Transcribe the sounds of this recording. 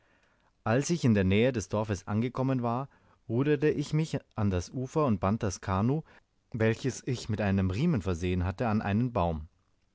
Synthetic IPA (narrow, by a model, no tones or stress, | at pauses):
ʔalsɪçɪndeːɐnɛːədɛsd̥ɔɐfəsʔa̰nɡəkʰɔmənvaːɐ | ʁuːdətəʔɪçmɪçʔandasʔuːfɐʊnt̚b̥ant̚d̥askʰaːnoː | vɛlçəsɪçmɪtʔaɪnəmʁiːmənfɛɐzeːənɦatəanʔa̰ɪnənbaʊm